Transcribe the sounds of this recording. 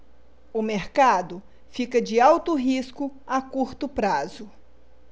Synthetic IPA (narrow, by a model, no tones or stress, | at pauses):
ʊmeɾkad̪ʊ | fikɐd͡ʒɪawt̪ʊɦiskʊakuɾt̪ʊpɾazʊ